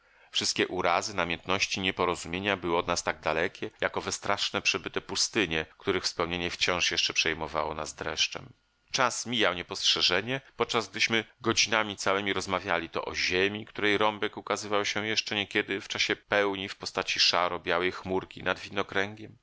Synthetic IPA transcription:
fʂɨst̪kʲɛʔuɾazɘnamʲjɛnt̪nɔɕt͡ɕiɲɛpɔɾɔzumʲjeɲabɘwɔd̪nast̪aɡ̚d̪alɛkʲɛjakɔvɛst̪ɾaʂnɛpʂɛbɘt̪ɛpust̪ɘɲɛkt̪uɾɘxfspɛwɲeɲɛft͡ɕɔ̃ʂjɛʂt͡ʂɛpʂɛjmɔva̰wɔna̰zd̪ɾɛ̰ʂt͡ʂɛ̰m | t͡ʂasmʲijawɲɛpɔstʂɛʐɛɲɛpɔt̪̚t͡ʂazɡ̚d̪ɘɕmɘɡɔd͡ʑinamʲit̪sawɛmʲiɾɔzmavʲjalʲit̪ɔ̰ʔɔ̰ʑemʲikt̪uɾɛjɾɔmbɛkukazɘvawɕɛjɛʂt͡ʂɛɲɛkʲɛd̪ɘft͡ʂaɕɛpɛwɲifpɔst̪at͡ɕiʂaɾɔbʲjawɛjxmuɾkʲinad̪vʲinɔkɾɛŋɡʲɛm

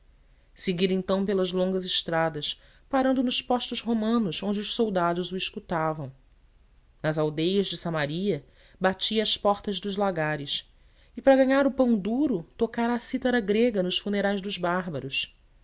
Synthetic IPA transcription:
seɡid̪ẽt̪ɐ̃w̃pelɐzlõŋɡɐzɪʃt̪ɾad̪ɐs | paɾɐ̃nd̪ʊnʊʃpɔʃt̪ʊzɦomɐ̃nʊzõnd͡ʒɪʊʃsowd̪ad̪ʊzuiʃkut̪avɐ̃w̃ | nɐzawd̪ejɐzd͡ʒɪsɐ̃maɾiɐ | bat͡ʃiɐspɔχt̪ɐzd̪ʊzlaɡaɾɪs | ɪpɾɐɡɐ̃ɲaɾʊpɐ̃w̃d̪uɾʊt̪okaɾaːsit̪ɐɾɐɡɾeɡɐnʊʃfuneɾajzd̪ʊzbaɦbɐɾʊs

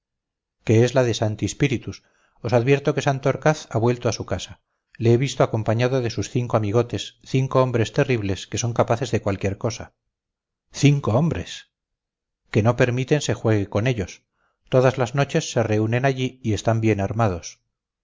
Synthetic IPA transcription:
ke̞ezlaðe̞sant̪iespiɾit̪us | o̞saðβje̞ɾt̪o̞ke̞sant̪ooɾkaθaβwe̞lt̪oasukasa | le̞eβist̪oako̞mpaɲaðoðe̞susθiŋkoamiɣ̞o̞t̪e̞sθiŋkoombɾe̞st̪e̞riβleske̞so̞ŋkapaθe̞zðe̞kwalkje̞ɾko̞sa | θiŋko̞ombɾe̞̰s | ke̞no̞pe̞ɾmit̪e̞nse̞xwe̞ɣeko̞ne̞ʎo̞s | t̪o̞ðazlazno̞t͡ʃe̞sːe̞re̞une̞naʎiːe̞st̪ambje̞naɾmað̞o̞s

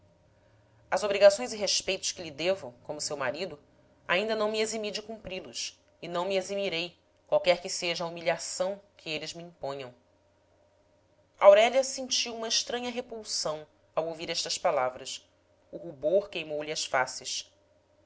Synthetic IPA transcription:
ɐzobɾiɡasõj̃zɪɦeʃpejt̪ʊ̥ʃkɪlid̪evɐkõmʊsewmaɾid̪ʊ | a̰ĩnd̪ɐnɐ̃w̃miezimid͡ʒɪkũmpɾilʊs | ɪnɐ̃w̃miezimiɾej | kwawkɛɾkɪseʒɐaːumiʎiasɐ̃w̃kʰɪelɪzmiĩpõɲɐ̃w̃ | awɾɛlʲɐsẽnt͡ʃiwũmɐɪʃt̪ɾɐ̃ɲɐɦepuwsɐ̃w̃ | awowviɾɛʃt̪ɐʃpalavɾɐs | uhuboɾkejmowliɐsfasɪʃ

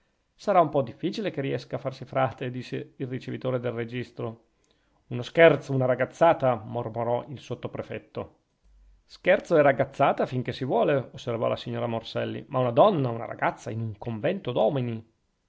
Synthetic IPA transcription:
saɾaumpɔd̪ifːiːt͡ʃilekerːiɛskaːfːarsifɾaːt̪ed̪isːeilrit͡ʃevit̪oːɾed̪elred͡ʒist̪ɾo | unoskɛrt̪sounaɾaɡat̪sːaːt̪amormoɾɔʔilsot̪ːopɾefɛt̪ːo | skɛrt̪soɛraɡat̪sːaːt̪afiŋk̟esivwɔːleosːervɔ̰lasiɲːoːɾamorsɛlːḭmaunad̪ɔnːauna̰ɾa̰ɡat̪sːainuŋkoɱvɛnt̪od̪ɔːmini

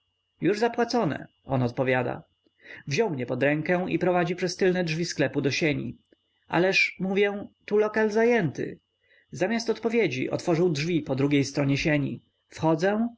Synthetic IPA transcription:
juʐzapwat̪sɔnɛ̰ | ʔɔnɔt̪̚pɔvʲjad̪a̰ | vʑɔwmɲɛpɔd̪ɾɛŋkɛw̃ḭpɾɔvad͡ʑipʂɛst̪ɘlnɛdʐvʲisklɛpud̪ɔɕeɲḭ | ʔa̰lɛʂmuvʲjɛ̃t̪ulɔkalzajɛnt̪ɘ̰ | zamʲjast̪ɔt̪pɔvʲjed͡ʑḭʔɔ̰t̪fɔʐɨwdʐvʲipɔd̪ɾuɡʲejst̪ɾɔɲɛɕeɲḭ | fxɔd̪zɛ̃

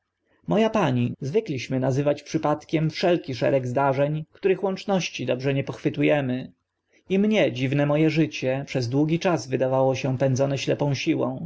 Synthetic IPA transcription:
mɔjapaɲizvɘklʲiɕmɘnazɘvat͡ɕpʂɘpat̪kʲɛmfʂɛlkʲiʂɛ̰ɾɛɡzd̪aʐɛɲkt̪uɾɘxwɔnt͡ʂnɔɕt͡ɕid̪ɔbʐɛɲɛpɔxfɘt̪ujɛmɘ | imɲɛd͡ʑivnɛmɔjɛʐɘt͡ɕɛpʂɛzd̪wuɡʲit͡ʂazvɘd̪avawɔɕɛpɛnd̪zɔnɛɕlɛpɔ̃w̃ɕiwɔ̰̃w̃

